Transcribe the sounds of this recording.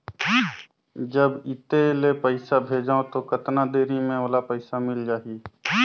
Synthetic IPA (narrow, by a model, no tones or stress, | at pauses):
d͡ʒəbɪt̪elepəɪsabʱeːd͡ʒaːõt̪okət̪nad̪eːɾimẽoːlapəɪsamɪld͡ʒaːie